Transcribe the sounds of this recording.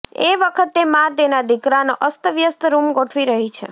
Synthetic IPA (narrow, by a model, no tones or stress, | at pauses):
ḛʋəkʰət̪ːemãt̪enad̪ikɾanoʔəst̪əʋjəst̪ɾumɡoʈʰʋiɾəɦit͡ʃʰḛ